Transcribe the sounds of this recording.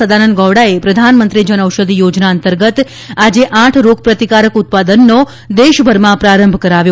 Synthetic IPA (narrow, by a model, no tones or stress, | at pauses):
əd̪anənd̪ɡɔʋɽaepɾəd̪ʱanmənt̪ɾid͡ʒənəʋʃəd̪ijod͡ʒnaənt̪əɾɡət̪ | ad͡ʒeʔãʈʰɾoɡ̚pɾət̪ikaɾəkut̪̚pad̪ənːo | d̪eʃbʱəɾmãpɾaɾəmbʱkəɾaʋjo